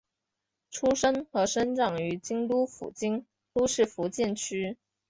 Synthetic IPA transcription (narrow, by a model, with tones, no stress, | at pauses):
ʈ͡ʂʰu˥ʂə˥nxɤ˧˥ʂə˥nʈ͡ʂɑ˨˩ŋy˧˥t͡ɕi˥ŋt̪u˥fṵ˨˩t͡ɕi˥ŋ | t̪u˥ʂɻ̩˥˩fu˧˥t͡ɕjɛ˥˩nt͡ɕʰy˥